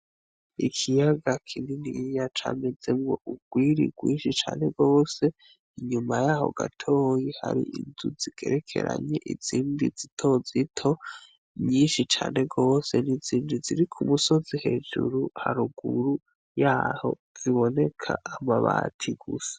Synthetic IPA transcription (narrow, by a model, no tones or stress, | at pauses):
ḭkʰijaɡakʰininijat͡ʃa̰mezemɡoʔuɡ̥wiɾḭɡ̥wiːnʃit͡ʃaːne̞ɡo̞ːse̞ | iɲumajaːho̞̰ɡa̰tʰoːjihaɾḭʔinzuziɡ̥e̞ɾekʰe̞̰ɾa̰ɲeʔiz̥iːndizitʰo̞zitʰo̞ | ɲiːnʃit͡ʃaːne̞ɡo̞ːse̞niziːndiziɾikʰumuso̞zihe̞ːd͡ʒṵɾuhaɾuɡuɾu | jaːho̰ | z̥iβo̞ne̞kʰaːmaβaːtʰiɡ̥use̥